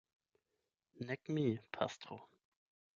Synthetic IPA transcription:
nɛkmipʰa̰stʁo

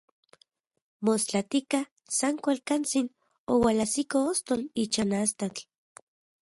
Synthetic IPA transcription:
most͡ɬat̪ika | saŋkʷalkant͡sin | owalasikoost̪olit͡ʃanast̪at͡ɬ

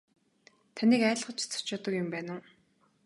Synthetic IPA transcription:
t̪ʰaniːkæːɮχə̆t͡ɕt͡sʰʊ̥t͡ɕɔːt̪ə̆kjʊmpæːnə̆

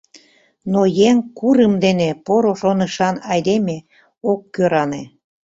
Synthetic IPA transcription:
nojeŋkuɾəmd̪enepoɾoʃonəʃɑnɑjd̪eme | okːøɾɑne

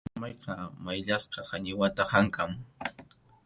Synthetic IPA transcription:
amɑjqɑmajʎasqɑhaɲɪwat̪ahaŋkam

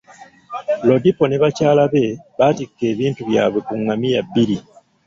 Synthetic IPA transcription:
lo̞dipo̞neβacaːlaβe̞βatikːe̞ːβiːntuβja̰ːβwe̞kuŋːamijabːiɾi

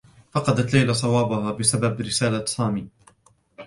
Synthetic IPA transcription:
fɑqɑd̪at̪lajlasˤɑwɑːbʊhaːbɪsababɾɪsaːlasˤaːmiː

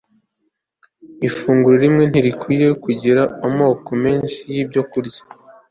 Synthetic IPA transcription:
ifuːŋɡuɾoɾimŋe̞n̥iɾikwiːje̞kuɟiɾaomo̞ːkome̞ːnʃijiːbɟo̞kuɾɟḁ

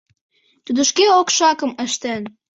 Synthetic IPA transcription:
t̪ud̪ə̆ʃkeokʃɑkə̆mə̆ʃt̪en

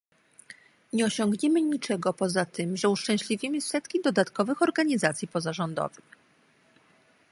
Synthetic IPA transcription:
ɲɛɔɕɔŋɡɲɛmɘɲit͡ʂɛɡɔpɔzat̪ɘmʐɛuʂt͡ʂɛ̃w̃ɕlʲivʲimɘsɛt̪kʲid̪ɔd̪at̪kɔvɘxɔɾɡaɲizat̪sʲjipɔzaʐɔnd̪ɔ̰vɘx

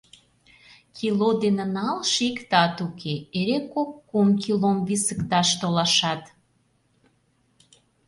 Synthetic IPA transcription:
kʲʰilod̪enə̆nɑlʃikt̪ɑt̪ukʰeeɾekokːumkilomβisə̆kt̪ɑʃt̪olɑʃɑt̪

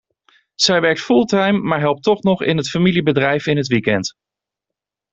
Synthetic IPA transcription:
z̥ɛjʋɛɹk̚tfulˠtajmːaːɹɦɛlˠp̚tɔχnɔχɪ̰nɦətfamilibədrɛjfɪnɦətʋikɛnt

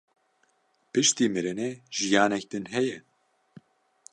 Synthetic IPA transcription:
pɨʃt̪iːmɨɾɨnɛʒ̥ijaːnɛk̚d̪ɨnɦɛjɛ

